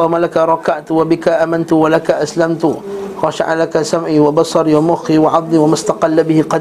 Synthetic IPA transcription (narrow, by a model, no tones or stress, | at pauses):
malakaɾˤɑkaʕt̪wabɪkaʔaːmɪnt̪walakaʔaslamt̪ʊxɑʃaʕalakasamʕiːwabɑsˤɑɾiwamʊxiwaʕɑd̪ˤːiwamast̪ɑqɑlːabɪhɪqɑ